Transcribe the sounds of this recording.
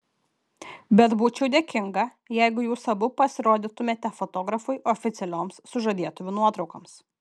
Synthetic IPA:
bʲɛt̪buːt͡ʃʲɛʊd̪ʲeːkʲɪŋɡɐ | jɛɪɡʊjuːsɐbʊpɐsʲɪɾoːd̪ʲɪt̪ʊmʲeːt̪ʲɛfɔt̪oːɡɾɐfʊɪʔɔfʲɪt̪sʲɛlʲoːmsːʊʒɐd̪ʲiɛt̪ʊʋʲʊnuɔt̪ɾɒʊkɐms

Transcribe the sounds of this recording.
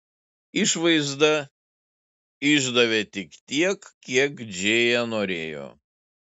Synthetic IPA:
ɪʃʋɐɪzd̪ɐ | ɪʒd̪ɐʋʲet̪ʲɪkt̪ʲiɛkkːʲiɛkd͡ʒʲeːjɛnoːɾʲeːjo̰ː

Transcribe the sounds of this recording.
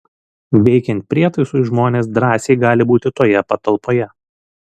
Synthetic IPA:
ʋʲɛɪkʲɛnt̪̚ʲpʲɾʲiɛt̪ɐɪsʊɪʒmoːnʲeːsd̪ɾɑːsʲeɪɡɑːlʲɪbuːt̪ʲɪt̪oːjɛpɐt̪ɐlˠpoːjɛ

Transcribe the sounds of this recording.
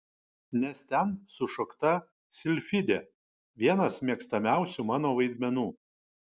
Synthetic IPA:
nʲɛst̪ʲɛnsʊʃokt̪ɐ | sʲɪlʲfʲɪd̪ʲe | ʋʲiɛnɐsmʲiɛkst̪ɐmʲæˑʊsʲʊmɑːnoːʋɐɪd̪ʲmʲɛnuː

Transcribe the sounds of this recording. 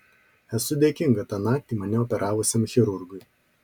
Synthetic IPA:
ɛsʊd̪ʲeːkʲɪŋɡɐt̪ɑːnɑːk̚t̪ʲiːmɐnʲɛɔpʲɛɾʔɑːʋʊsʲemxʲɪɾʊɾɡʊj

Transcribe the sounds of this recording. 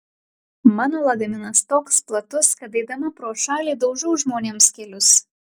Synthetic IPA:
mɑːnoːlˠɐɡɐmʲɪnɐst̪oːksplˠɐt̪ʊskɐt̪ɐɪd̪ɐmɐpɾoːʃɑːlʲiːd̪ɐʊʒʲɛʊʒmoːnʲeːmskʲɛlʲʊs

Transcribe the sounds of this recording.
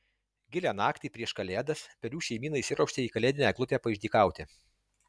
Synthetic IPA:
ɡʲɪlʲæːnɑːkt̪ʲiːpʲɾʲiɛʃkɐlʲeːd̪ɐspʲɛɾʲuːʃʲɛɪmʲiːnɐɪsʲɪɾɐʊʃʲt̪ʲeiːkɐlʲeːd̪ʲɪnʲɛɡlˠʊpʲæːpɐɪʒʲd̪ʲiːkɑˑʊt̪ʲɪ

